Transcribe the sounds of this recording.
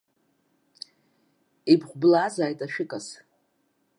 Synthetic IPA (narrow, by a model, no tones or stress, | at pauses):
ibχʷblaːzaːjtʼaʃᶣɪkʼas